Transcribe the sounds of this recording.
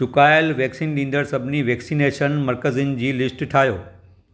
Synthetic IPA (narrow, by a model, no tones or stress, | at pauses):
t͡ɕʊkaːɪlʋɛːksiːnɗĩːn̆d̪əɽsɐbʱɪniʋɛːksiːneːʃənmɐɾkəziʊnd͡ʑiːlɪsʈʈʰaːɦijoː